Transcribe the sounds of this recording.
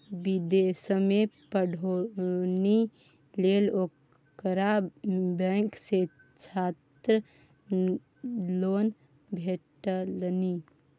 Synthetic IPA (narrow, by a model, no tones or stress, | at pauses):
bid̪esəmepəɖʱoni | lelo | kəɾabɛŋkse | t͡ʃʰat̪ɾə | lon | bʱeʈəlni